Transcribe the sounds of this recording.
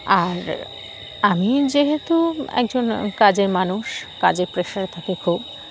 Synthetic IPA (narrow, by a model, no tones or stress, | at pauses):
aɾ | amid͡ʑeɦet̪uɛ̰k̚d͡ʑonkad͡ʑeɾmanuʃkad͡ʑeɾpɾeʃaɾt̪ʰakekʰub